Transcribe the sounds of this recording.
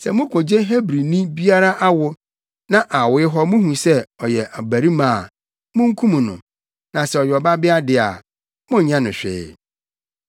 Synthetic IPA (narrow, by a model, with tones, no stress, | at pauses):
sɛ˨mʊ̃˦kʰʊ̃˨d͡ʑe˦ɦe˦bɾi˨nĩ˦bi˦a˦ɾa˦ʔa˦wʊ˨ | nã˦ʔa˨wʊ˦ɪ˦ɦɔ˦mũ˦ɦũ˨sɛ˦ɔ˨jɛ˨ʔa˨bæ˨ɾi˦mãː˦˨ | mʊ̃˦ŋ̩˦kʰũ˦mũ˨nʊ̰̃˨ | nã˨sɛ˨ɔ˨ɥɛ˨ɔ˨ba˦bɪ˦a˦dɪ˨a̰˨ | mʊ̃˦˨ɲã˦nʊ̃˨ɕᶣɪ̰ː˦